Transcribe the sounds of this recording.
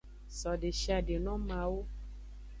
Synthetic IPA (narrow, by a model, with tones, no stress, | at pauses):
sɔ˨de˨ʃa˧˨de˨nɔ̃˦mã˧˦wo˦